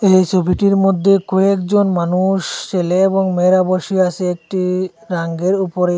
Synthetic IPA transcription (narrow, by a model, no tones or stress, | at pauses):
ejt͡ɕobʱiʈiɾmod̪ʱːekɔekd͡ʑonmanuʃt͡ɕeleeboŋmeɾaboʃiaseek̚ʈiɾaŋɡeɾupoɾe